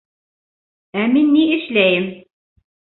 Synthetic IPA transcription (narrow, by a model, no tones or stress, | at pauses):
æminːiɘ̆ʃlæjɘm